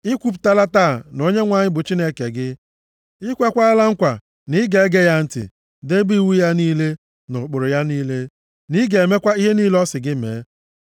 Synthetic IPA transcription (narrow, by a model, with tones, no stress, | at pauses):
i˦kʷu˦p̬ta˦la˦taː˦˨no˦ɲe˦ŋʷa˦ɲɪ˦bʊ˨t͡ʃi˦ne˦ke˨ɡɪ˦ | ɪ˦kʷe˦kʷa˦a˦la˦ŋ̩˦kʷa˨ | nɪ˦ɡe˨˦ɡe˦ja˦n̩˦tɪ̰˨ | de˦bi˦wu˦ja˦niː˦le˦ | nʊ˨k͡pʊ˨ɾʊ˨ja˦niː˦le˦ | ni˦ɡe˨e˨me˦kʷa˦i˦ɦe˦niː˦lɔ˦sɪ˨ɡɪ˦mḛː˨˦